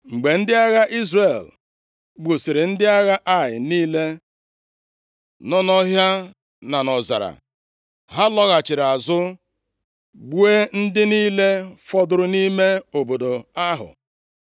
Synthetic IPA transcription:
ŋ͡m̩˨ɡ͡be˨n̩˦dɪ˦a˦ɣa˦ʔi˦zre˨l | ɡ͡bu˨si˨ɾɪ˨n̩˦dɪ˦a˦ɣa˦ʔa˦˨jɪ̰˨niː˦le˦ | nɔ˦nɔ˦ɦja˦ | na˨nɔ˨za̰˨ɾa̰˨ | ɦa˦lɔ˦ɣa˨t͡ʃɪ˨ɾa˨zʊ˦ | ɡ͡bu˦e˦n̩˦dɪ˦niː˦le˦fɔ˦dʊ˨ɾʊ˦ni˦me˦o˨bo˨do˨a˦ɦʊ̰˨

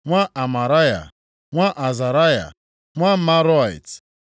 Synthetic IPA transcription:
ŋʷa˦ʔa˨ma˨ɾa˦ja̰˨ | ŋʷa˦ʔa˨za˨ɾa˦ja̰˨ | ŋʷa˦ma˦ɾɔ˦˨ḭ˨t

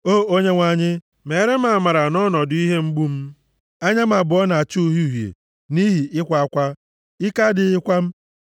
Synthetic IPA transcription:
o˦˨o˦ɲe˦ŋʷa˨ɲɪ˦ | me˨˦ɾe˦m̩˦a˨a˨ma˨ɾa˨nɔ˦nɔ˨dʊ˨˦i˦ɦe˦ŋ͡m̩˦ɡ͡bu˦m̩˦ | a˦ɲa˦m˦a˨bʊ˨ɔ˦na˨a˨t͡ʃu˦ɦu˦˨ɦjḛ˨ | ni˦ɦi˨ɪ˦kʷa˨a˦kʷa˦ | ɪ˦ka˦dɪ˨ɪ˦kʷa˦m̩˦

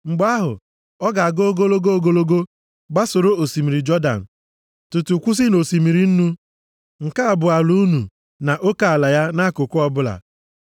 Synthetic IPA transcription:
ŋ͡m̩˨ɡ͡ba˦ɦʊ̰˨ | ɔ˦ɡa˨a˨ɡo˦o˦ɡo˦lo˦ɡo˦o˦ɡo˦lo˦ɡo˦ | ɡ͡ba˦sʊ˨ɾo˦o˨si˨mi˨ɾi˨d͡ʒɔ˦da̰˨n̩˨ | tʊ˨tu˨kʷu˦s̬i˦no˨si˨mi˨ɾi˨n̩˦nu˦ | ŋ̩˨ka˦a˨bʊ˨a˨lu˦nu˨ | na˨ʔo˦ka˨a˨la˨ja˦na˦kʊ˨kʷʊ˦ɔ˦bʊ˦la̰˨

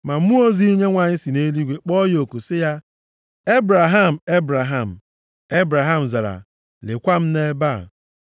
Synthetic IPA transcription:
ma˨m̩˦mu˦o˦zi˦i˦ɲe˦ŋʷa˨ɲɪ˦si˨ne˦li˦ɡʷe˨k͡pɔ˦jo˨ku˨sɪ˦ja˦ | e˦bɾa˨ɦa˦m̩˨e˦bɾa˨ɦa˦˨m̩˨ | e˦bɾa˨ɦa˦m̩˨za˨ɾa̰˨ | lɪ˨kʷa˦m̩˦ne˦ba˦˨

